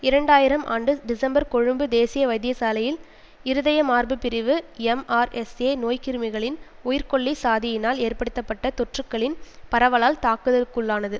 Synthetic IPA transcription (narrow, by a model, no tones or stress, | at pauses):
ɪɾɐɳɖaːjɪɾɐmʔa̰ːɳɖɯɖɪsɐmbɐɾkɔɻɯmbɯd̪eːsɪjɐʋɐɪd̪ɪjɐsaːlɐjɪl | ɪɾɯðɐjɐmaːrbɯpɪɾɪʋɯɛmaːɾɛseːnoːjkɪɾɯmɪɣɐɭɪn | ʊjɪɾkɔɭːisaːðɪjɪnaːleːrpɐɽɯt̪ːɐpːɐʈːɐt̪ɔʈrɯkːɐɭɪnpɐɾɐʋɐɭaːlt̪aːkɯðɐkɯɭːaːnɐðɯ